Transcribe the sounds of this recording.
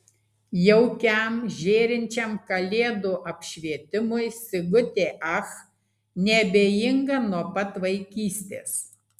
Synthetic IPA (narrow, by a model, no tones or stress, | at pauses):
jɛʊkʲæˑmʒʲeːɾʲɪnʲt͡ʃʲɛmkɐlʲeːd̪uːʔɐpʲʃʲʋʲiɛt̪ʲɪmʊɪsʲɪɡʊt̪ʲeːʔɐx | nʲɛbʲeːjɪŋɡɐnuɔpɐt̪ʋɐɪkʲiːsʲt̪ʲḛːs